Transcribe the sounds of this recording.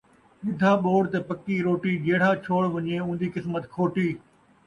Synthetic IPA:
ɓɪd̪ʱaːɓoːɽt̪epɐkːiɾoːʈiːd͡ʑeːɽ̤aːt͡ɕʰoːɽʋɐɲeũːnd̪iːkɪsmət̪kʰoːʈiː

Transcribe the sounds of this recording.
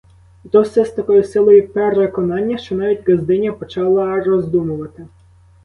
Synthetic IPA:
t̪ɔsʲɛst̪ɐkɔjʊsɪlˠɔjʊpeɾekɔnɑnʲːɐʃt͡ʃɔnɑʋʲidʲɡɐzd̪ɪnʲjɐpɔt͡ʃɑlˠɐʒrɔzd̪umʊʋɐt̪ɪ

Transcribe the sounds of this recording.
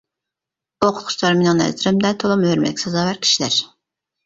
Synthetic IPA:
oqʰʊt̪̚ʰʃt͡ʃlˠɑɾmenɪŋnɛ̰zɪɾɪmd̪ɛt̪ʰolˠumhøɾmɛ̰ɪkʲsɑzɑːwæɾkʲʰi̥ʃilæɾ

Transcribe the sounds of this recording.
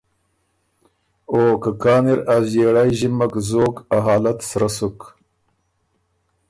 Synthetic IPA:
oːkakɑːniɾazeːɽajʑimakzoːkaɦɑːlat̪sɾasuk

